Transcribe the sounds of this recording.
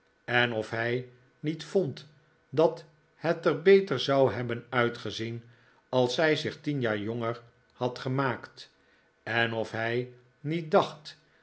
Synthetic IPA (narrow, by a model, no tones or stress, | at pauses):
ɛnɔfɦɛj | nitfɔnt | dɑt | hɛtəɹbejtəɹzɑwɦɛbənœɥtχəzin | ɑlˠsɦɛjzɪχtinjaːɹjɔŋəɹ | hɑtχəmaːkt | ɛnɔfɦɛj | nit̚dɑχt